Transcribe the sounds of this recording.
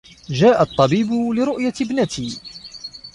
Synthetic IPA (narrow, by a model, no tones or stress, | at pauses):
d͡ʒaːʔat̪ˤːɑbiːbʊlɪɾʊʔjabnat̪iː